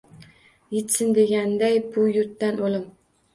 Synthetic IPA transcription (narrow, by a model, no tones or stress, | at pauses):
jet̪sɪnd̪eɡʲand̪ajbʊjʊɾt̪ːanolˠɪm